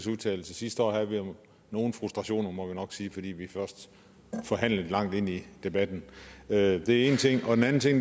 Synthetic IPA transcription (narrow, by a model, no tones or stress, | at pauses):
suðˠt͡sʰɛ̰ːl̩səsisd̥əɒ̰ːɦhæðˠʋi | no̝ːn̩fʁusd̥ʁɑ̈ɕo̝̰ːnɐmɒ̽ʋinɒ̽ɡ̥siːfɒ̽d̥ḭːʋifɶɐsd̥ | fɒ̽ɦæn̰ləðlɑ̈ŋ̰d̥e̝n̰id̥e̝b̥æd̥n̩ød̥e̝æɐe̝ːn̩t͡sʰe̝ŋ̰ɒ̽d̥enæn̩t͡sʰe̝ŋ̰